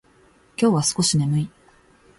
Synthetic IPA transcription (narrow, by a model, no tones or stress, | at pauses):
kʲo̞ːβasɨ̥ko̞ɕine̞mɯ̟i